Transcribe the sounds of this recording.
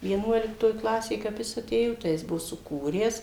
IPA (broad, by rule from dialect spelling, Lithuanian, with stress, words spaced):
ʋʲiɛˈnuɔlʲɪktoːj ˈklˠɑːsʲeːj kɐp ˈjɪs ɐˈtʲeːjoː tɐɪ ˈjɪs ˈbʊʋoː sʊˈkuːrʲæːs